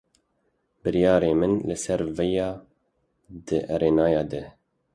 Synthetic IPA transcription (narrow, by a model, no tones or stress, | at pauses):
bɨɾjɑːɾeːmɨnlɨsɛɾvɛjɑː | d̪ɨʔɛɾeːnɑːjɑːd̪ɨ